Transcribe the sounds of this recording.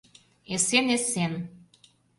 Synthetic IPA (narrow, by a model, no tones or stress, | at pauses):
esenesen